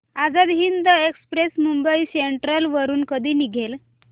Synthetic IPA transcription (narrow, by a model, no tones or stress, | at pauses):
ad͡zad̪ɦind̪əekspɾesmumbəiseɳʈɾəlʋəɾuːnkəd̪ʱiːniɡʱel